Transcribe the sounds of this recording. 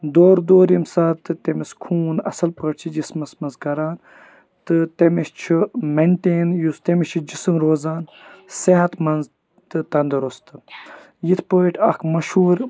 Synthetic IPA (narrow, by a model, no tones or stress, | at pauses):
d̪oːɾd̪oːɾimsaːt̪ɨt̪emiskʰuːnɐ̰sɐlpəʈt͡ʃʰid͡ʒismɐsmɐnzɡɐɾaːn | t̪ɨt̪emist͡ʃʰimenʈeːnjust̪emit͡ʃʰid͡ʒisɨmɾoːzaːn | seɦɐt̪mɐnz | t̪ɨt̪ɐnd̪ɨɾust̪ɨ | jit̪ʰpoːiʈʰɐkʰmɐʃhuːɾ